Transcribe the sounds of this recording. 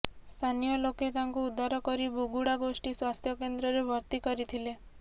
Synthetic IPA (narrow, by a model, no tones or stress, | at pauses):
st̪ʰanijɔloket̪aŋkuud̪ʱaɾɔkɔɾibuɡuɽaɡosʈiswast̪ʰjɔkend̪ɾɔɾebʱɔɾt̪ikɔɾit̪ʰile